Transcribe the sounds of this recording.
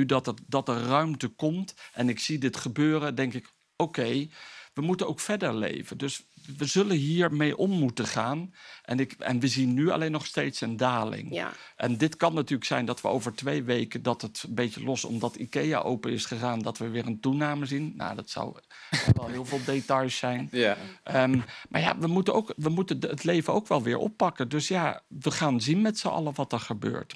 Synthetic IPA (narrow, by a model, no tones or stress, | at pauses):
ydɑtədɑt̚dərœɥmtəkɔmtʔɛnɪksidɪtχəbøːrədɛŋkɪk | okejʋəmutənowkfɛɹdəɹlḛjvəndɵsʋəzɵlənɦiːɹmejʔɔmːutəχaːnʔɛnɪkɛ̰nʋəzinːyɑ̰lejnːɔχstejtsəndaːlɪ̰ŋʔɛ̰ndɪtkɑnːatyːɹləksɛjndɑtʋəo̰wvəɹtʋejʋejkədɑtətbejtəlɔsɔ̰mdɑtikeja̰ʔowpənɪsχəχaːndɑtʋəʋɪːɹəntunaːməzinːa̰dɑtsɔ̰w | ʋɛlˠɦɪːlˠvɪːlˠdetɑjsɛjnʔəmʔaːɹja̰ʋəmutəno̰wkʋəmutəətlejvəno̰wkʋɛlˠʋɪːɹʔɔ̰pːɑkədɵsjaʋəχaːnzinmɛtsoʔɑ̰ləʋɑtəɹχəbø̰ːɹt